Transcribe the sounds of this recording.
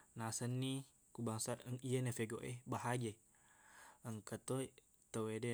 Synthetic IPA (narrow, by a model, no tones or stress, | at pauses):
nasənːi | kubaŋsaəŋiənefeɡoʔebaɦaɡe | əŋkət̪o | t̪əwede